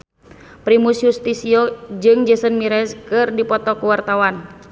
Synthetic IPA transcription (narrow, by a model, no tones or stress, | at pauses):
pɾimusjust̪isiod͡ʒɨŋd͡ʒəsənmiɾɛskɨrdipɔt̪ɔkuwart̪awan